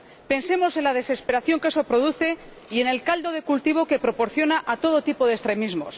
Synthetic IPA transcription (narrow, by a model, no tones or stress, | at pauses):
pe̞nse̞mo̞se̞nlaðe̞se̞spe̞ɾaθjo̞ŋke̞so̞pɾo̞ðuθe̞ | ie̞ne̞lkald̪o̞ð̞e̞kult̪iβ̞o̞kepɾo̞po̞ɾθjo̞naʔat̪o̞ð̞o̞t̪ipo̞ð̞ekst̪ɾe̞mizmo̞̰s